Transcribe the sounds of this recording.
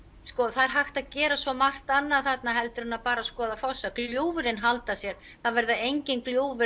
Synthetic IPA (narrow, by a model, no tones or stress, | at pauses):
skɔːθaɾ̥ɦajxt̪aðcɛːɾasvɔmar̥t̪anːaðθat̪naɦɛlt̪ʏɾɪnapaːɾaskɔːðafɔwsːakljoːwvɪɾɪnɦalt̪asjɛɾ̥ | θavɛɾðaejɲcɪnkljoːwvɪ